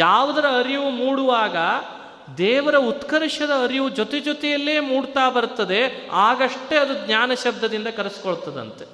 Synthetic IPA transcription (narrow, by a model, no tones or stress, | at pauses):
jaːʋud̪ɐɾɐːɾiʋumuːɽuʋaːɡɐ | d̪ɛːʋɐɾɐut̪kɐɾiʂɐd̪ɐːɾiʋud͡ʒot̪ed͡ʒot̪ɛjɐlːeːmuːɽt̪aːbɐɾt̪ːɐd̪e̞aːɡɐʂʈe̞ɐd̪uɡɲaːnɐʃɐb̚d̪ʱɐd̪ind̪ɐkɐɾesi̥koɭut̪ːɐd̪ɐ̰nt̪e